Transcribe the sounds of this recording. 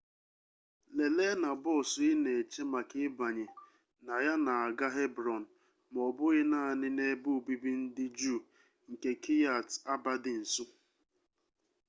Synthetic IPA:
le˨le˦na˨bɔ˦˨sʊ˨ɪ˦ne˨t͡ʃe˦ma˨kɪ˦ba˨ɲe˨ | na˨ja˦na˨a˨ɡa˦ɦe˦bɾɔ˨n̩˨ | m˨ɔ˨bʊ˦ɣɪ˦naː˦˨nɪ˦ne˦bʊ˦˨bi˦bi˦n̩˦dɪ˦d͡ʒu˦˨ | ŋ̩˨ke˨kʰi˦ja˨ta˦ba˦dɪ˨n̩˨sʊ˦

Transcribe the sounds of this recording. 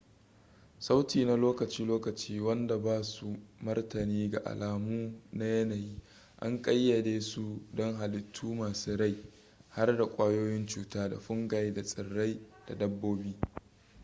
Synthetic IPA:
sa˦wtiː˨na˦loː˦kɐ˨t͡ʃiː˦loː˦kɐ˨t͡ʃiː˦wɐ˦nda˨baː˦su˨mɐ˦rtɐ˨niː˦ɡa˨ʔa̰˨laː˨muː˦na˦jɐ˦na˨jiː˦ | ʔa̰˦ŋkʼɐ˦jːɐ˨deː˦su˦dɔ˦ŋɦa˨lɪ˨tʰːuː˦maː˨suː˦ɽa˦j | ha˦rda˨kʷʼaː˦joː˦jɪ˦nt͡ʃuː˨taː˦da̰˨ɸʊ˦ŋɡa˨jda˨sʼɪ˨rːa˦jd̥a̰˨dɐ˦bːoː˦biː˦

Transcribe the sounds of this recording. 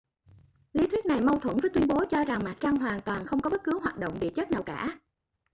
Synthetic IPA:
li˨˦t̪ʰwi˦˥t̚na˨˩jma˧wt̪ʰwə˧˩nvəː˨˦jt̪wi˧nɓo˨˦t͡ɕɔ˧za˨˩ŋma˨˩t̚t͡ɕa˧ŋɦwaː˨˩ŋt̪waː˨˩nxə˧wŋ͡mkɔ˨˦ɓə˦˥t̚kɨ˨˦wɦaː˨˩t̚ɗo̰˧˨ŋ͡mɗḭ˧˨t͡ɕə˦˥t̚naː˨˩wkaː˧˩

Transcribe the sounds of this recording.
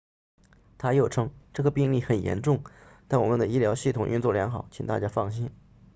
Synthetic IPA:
t̪ʰa˥jo˥˩ʊʈ͡ʂʰɤ˥ŋʈ͡ʂɤ˥˩ɡə˩pi˥˧ŋli˥˩xə˨˩njɛ̰˧˥nʈ͡ʂʊ˥˩ŋt̪a˥˩nwɔ˨˩mə˦nd̪ə˩i˥ljɑ˧˥ʊɕi˥˩t̪ʰʊ˨˩ŋʔy˥˧nt͡swɔ˥˩ljɑ˧˥ŋxɑ˨˩˦ʊt͡ɕʰi˨˩ŋt̪a̰˥˧˩t͡ɕja˥fɑ˥˩ŋɕi˥n

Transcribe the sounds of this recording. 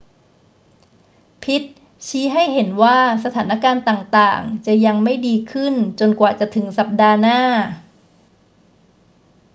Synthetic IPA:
pʰi˦˥t̪̚ | t͡ɕʰiː˦˥ɦa˥˩jɦe˩˦nwaː˥˩sa˧t̪ʰaː˩˦na˦˥˩kaː˧nt̪aː˨˩ŋt̪aː˨˩ŋt͡ɕa˨˩ja˧ŋma˥˩jdiː˧kʰɯ˥˩nt͡ɕo˧nkwaː˨˩t͡ɕa˨˩t̪ʰɯ˩˦ŋsa˨˩p̚daː˧naː˥˩

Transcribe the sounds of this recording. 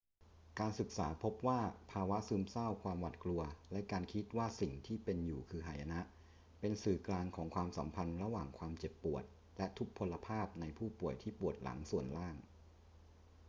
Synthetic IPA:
kaː˧nsɯ˨˩k̚saː˩˦pʰo˦˥p̚waː˥˩pʰaː˧wa˦˥ʔsɯː˦˥msa˥˩wkʰwaː˧mwa˨˩t̪̚klu˧ɐlɛ˦˥kaː˧nkʰi˦˥t̪̚waː˥˩si˨˩ŋt̪ʰiː˥˩pe˧njuː˨˩kʰɯː˧ɦaː˨˩ja˧na˦˥ʔ | pe˧nsɯː˨˩klaː˧ŋkʰɔː˩˦ŋkʰwaː˧msa̰˩˦mpʰa˧nɾa˧waː˨˩ŋkʰwaː˧mt͡ɕe˨˩pːu˨˩ət̪̚ | lɛ˦˥ʔt̪ʰu˦˥k̚pʰo˧lːa˧pʰaː˥˩p̚na˧jpʰuː˥˩pu˨˩əjt̪ʰiː˥˩pu˨˩ət̪̚la̰˩˦ŋsu˨˩ənlaː˥˩ŋ

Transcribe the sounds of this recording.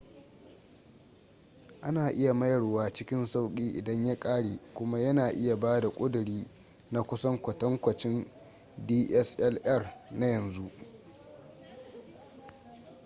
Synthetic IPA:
ʔa˦naː˨ʔɪ˦ja˨mɐ˦jɐ˨rwaː˦t͡ʃɪ˦kʲɪ˦nsa˦wkʲʼiː˦ʔɪ˨dɐ˦ɲja˦kʼaː˦ɽeː˨kʷʊ˦ma˦jɐ˦naː˨ʔɪ˦ja˨baː˦da˨kʷʼʊ˦dʊ˨ɽiː˦ | na˦kʷʊ˦sɐ˦ŋkʷɐ˨tɐ˦ŋkʷɐ˨t͡ʃɪ˦n | diː˦ʔɛ˦sʔɛ˦lʔɐ˦˨rna˦jɐ˨nzu˦ʔ

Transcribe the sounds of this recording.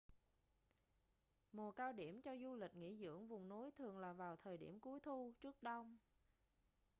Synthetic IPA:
mo˨˩əkaː˧wɗi˧˩əmt͡ɕɔ˧zu˧lï˨˩k̟̚ŋḭ˧˥zɨ̰˧˥˩əŋvʊ˨˩ŋ͡mno˨˦jt̪ʰɨ˨˩əŋlaː˨˩vaː˨˩wt̪ʰəː˨˩jɗḭ˧˩əmku˨˦əjt̪ʰu˧t͡ɕɨ˦˥ək̚ɗə˧wŋ͡m

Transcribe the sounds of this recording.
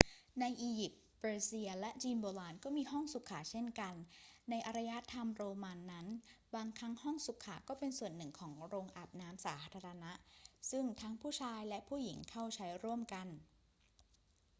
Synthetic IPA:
na˧jʔiː˧ji˨˩p̪̚ | bɤː˧si˧ɐlɛ˦˥ʔt͡ɕiː˧nboː˧laː˧nkɔː˥˩miː˧ɦɔ˥˩ŋsu˨˩kʰaː˩˦t͡ɕʰe˥˩nka˧nːa˧jʔa˧ɾa˧ja˦˥t̪ʰːa˧mɾoː˧ma˧nːa˦˥nbaː˧ŋkʰa˦˥ŋhɔ˥˩ŋsu˨˩kʰːaː˨˩˦kɔː˥˩pe˧nsu˨˩ənːɯ˨˩ŋkʰɔː˩˦ŋɾoː˧ŋʔa˨˩p̚naː˦˥msaː˩˦t̪ʰaː˧ɾa˧na˦˥ʔsɯ˥˩ŋt̪ʰaː˦˥ŋpʰuː˥˩t͡ɕʰaː˧jlɛ˦˥ʔpʰuː˥˩ji˨˩˦ŋkʰa˥˩wt͡ɕʰa˦˥jɾu˥˩əmka˧n

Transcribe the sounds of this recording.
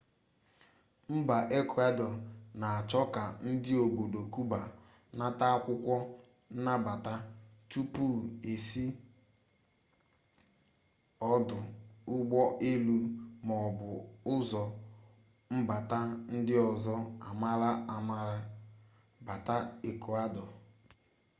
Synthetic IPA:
m̩˦ba˨ʔe˦kʷu˨a˦dɔ˨na˨a˨t͡ʃɔ˦ka˨n̩˦dɪ˦o˨bo˨do˨ku˦ba˨ | na˦ta˦a˦kʷʊ˦kʷɔ˦ | n̩˦na˦ba˨ta˦tu˦pu˦˨e˨si˦ | ɔ˦dʊ˨ʊ˦ɡ͡bɔ˦ʔe˦lu˦ɾmɔ˨bʊ˨ʊ˦zɔ˨ | m̩˦ba˨ta˦n̩˦dɪ˦ɔ˨zɔ˦a˨ma˦ɾa˦a˨ma˦ɾa˦ | ba˨ta˦e˨ku˨a˦dɔ˨

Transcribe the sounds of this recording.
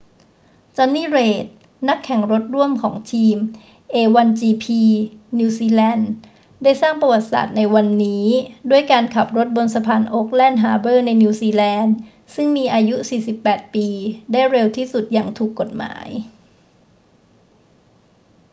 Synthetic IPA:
t͡ɕɔː˧nːiː˥˩ɾeː˨˩t̪̚ | na˦˥kʰːɛ˨˩˦ŋɾo˦˥t̪̚ɾu˥˩əmkʰɔː˩˦ŋt̪ʰiː˧m | ʔeː˧wa˧nt͡ɕiː˧pʰiː˧ni˧siː˧lɛː˧n | daː˥˩jsaː˥˩ŋpa˧wa˨˩t̪̚sa̰ː˨˩t̪̚na˧jwa˧nːiː˦˥du˥˩əjkaː˧nkʰa˨˩p̚ɾo˦˥t̪̚bo˧nsa˧pʰaː˧nʔoː˦˥k̚lɛː˥˩nɦaː˧bɤː˥˩na˧jniː˧siː˧lɛː˧n | sɯ˥˩ŋmiː˧ʔaː˧ju˦˥siː˨˩si˨˩pːɛː˨˩t̪̚piː˧daː˥˩jɾe˧wt̪ʰiː˥˩su˨˩t̪̚jaː˨˩ŋt̪ʰuː˨˩kːo˨˩t̪̚ma̰ː˩˦j

